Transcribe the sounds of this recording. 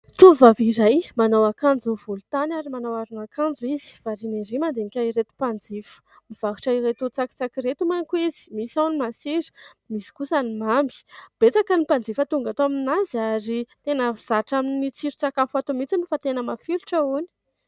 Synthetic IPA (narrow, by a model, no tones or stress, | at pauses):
t̪uvaviɾajmanawakand͡zuniv̥ulut̪anaɾimanawaɾunakʰand͡zuizi̥v̥aɾineɾimand̪enikʲaiɾet̪u̥pand͡zifə̥ | miv̥aɦu̥ʈ͡ʂaiɾet̪ut͡saki̥t͡sakiɾet̪umaŋkuizi̥misawnimasiɾi̥ | misi̥kusanimambi̥b̥et͡sakənipand͡zifat̪uŋɡat̪oaminaziaɾit̪enəz̥aʈ͡ʂaminit͡siɾit͡sakafat̪umit͡sinufat̪enəmafiluʈ͡ʂəuni̥